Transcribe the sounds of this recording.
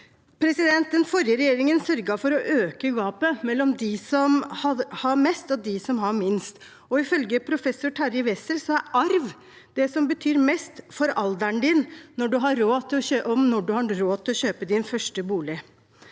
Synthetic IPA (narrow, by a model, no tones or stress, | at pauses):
pʰɾɛsɪd̪ɛnt̪ənfɔɾjəɾɛjeːɾɪŋənsœɾɡɑfɔɾɔʔøːkəɡɑːpəmɛlːɔmd̪ɪsɔmhɑhɑɾmɛst̪ɔd̪ɪsɔmhɑɾmɪnst̪ | ɔɪfœlɡəpʰɾʊfɛsːʊʈʰæɾɪʋɛsəlsɔæɾʔɑɾʋ | d̪̥ɛsɔmbət̪ʰyːɾmɛst̪fɔɾɑld̪æɳd̪ɪnːɔɖʉɦɑɾːoːt̪ʰɪlɔøʔɔmnɔɖʉhɑɾoːt̪ʰɪlɔɕøːpəd̪ɪnfœʂʈəbuːlɪ